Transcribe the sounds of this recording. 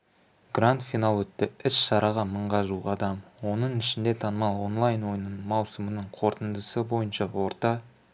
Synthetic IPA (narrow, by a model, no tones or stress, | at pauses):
ɡrant̪finalˠwɵt̪ːɪɪsʃɑɾʔɑʁɑməɴʁɑʒuʁɑd̪ɑmwo̞nəɴɪʃɪnd̪e̞t̪ʰɑnəmɑlˠo̞nlˠɑjnwo̞jənəɴmɑwsəmənəɴqʰo̞ɾt̪ənd̪əsəbo̞jənʃɑwo̞ɾt̪ɑ